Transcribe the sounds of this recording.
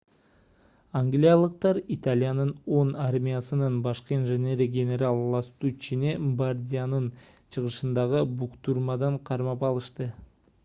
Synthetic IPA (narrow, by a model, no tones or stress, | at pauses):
aŋɡlʲijalˠɯq̚t̪ɑɾit̪alʲijanɯno̞naɾmʲijasɯnɯnbɑʃqəinʒenʲeɾəɡʲenʲe̞ɾalˠlˠɑst̪ut͡ʃinebard̪ʲijanɯn | t͡ʃʰɯʁɯʃɯnd̪ɑʁɯbuqt̪uɾmɑd̪ɑɴqʰɑɾmɑpɑlˠɯʃt̪ɯ